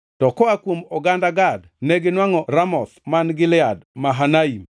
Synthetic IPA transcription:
tɔkɔakwomɔɡandaɡad | nɛɡɪnwaŋɔɾamɔsmanɡɪlɪadmaɦanaim

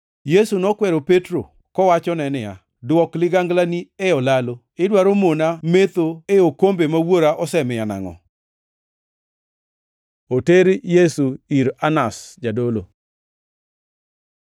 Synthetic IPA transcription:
jesunɔkwɛɾopetɾo̰ | kɔwat͡ʃɔnɛnɪa̰ | dwɔklɪɡaŋɡlanieɔlalo | ɪdwaɾomonamet̪oeokombemawoɾaʔɔsɛmɪjana̰ŋɔ̰ | oteɾjesuiɾanasd͡ʒadolo̰

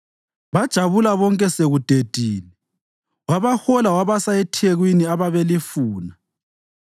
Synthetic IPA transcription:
βad̥ʒ̥ʱaβulaβɔŋkʼɛseɣud̥ʱed̥ʱiːni | waβaxɔlawaβasaɛtʰeɣwiniaβaβelifuːna

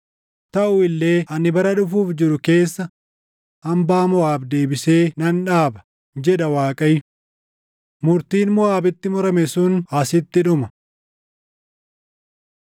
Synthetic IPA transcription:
t̪ɐʔʊɪlːe̞ːʔɐnɪbɐɾɐᶑʊfuːfd͡ʒɪɾʊke̞ːsːɐ | ɐmbaːmʊaːbd̪e̞ːbɪse̞ːnɐnᶑaːbɐ̥ | d͡ʒɛᶑɐwaːkʼɐj | mʊɾt̪iːnmʊaːbɪt̪ːɪmɔɾɐmɛsʊnɐsɪt̪ːɪᶑʊmɐ

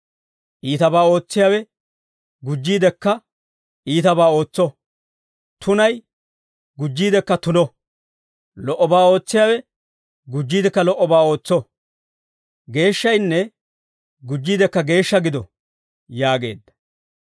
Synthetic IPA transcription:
ʔiːt̪ɐbaːo̞ːt͡sːɪjaːwɛ | ɡʊd͡ʒːiːd̪ɛkːɐ | ʔiːt̪ɐbaːo̞ːt͡sːɔ | t̪ʊnɐj | ɡʊd͡ʒːiːd̪ɛkːɐt̪ʊnɔ | lɔʔːɔbaːo̞ːt͡sːɪjaːwɛ | ɡʊd͡ʒːiːd̪ɛkːɐlɔʔɔbaːo̞ːt͡sːɔ | ɡe̞ːʃːɐjnːɛ | ɡʊd͡ʒːiːd̪ɛkːɐɡe̞ːʃːɐɡɪd̪ɔ | jaːɡe̞̰ːd̪ːɐ̥

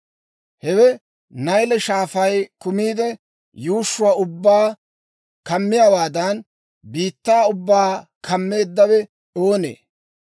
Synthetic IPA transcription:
hɛwɛ | nɐjlɛʃaːfɐjkʊmiːd̪ɛ | juːʃːʊwaːʊbːaː | kɐmːɪjaːwaːd̪ɐn | biːt̪ːaːʊbːaːkʰɐmːe̞ːd̪ːɐwɛ | o̞ːnḛː

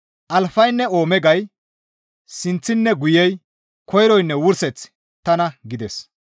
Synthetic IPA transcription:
ʔɐlfɐjnːɛoːmɛɡɐj | sɪnt͡sːɪnːɛɡʊjɛj | kʰɔjɾɔjnːɛwʊɾsɛt͡s | t̪ɐnɐɡɪd̪ɛs

